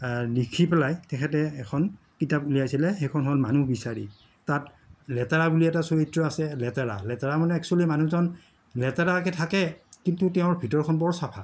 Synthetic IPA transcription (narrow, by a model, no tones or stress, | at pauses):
likʰipɛlajtɛkʰɛtɛːkʰɔn | kitapulijajsilɛxɛkʰɔnɦɔlmanuhbisaɹḭ | tat | lɛtaɹabuliɛtasoɹitɹɔasɛlɛtaɹa̰lɛtaɹamɔnɛɛksualimanuzɔn | lɛtaɹak̬ɛtʰakɛkintutɛʊ̃ɹbʱitɔɹkʰɔnbɔɹsapʰa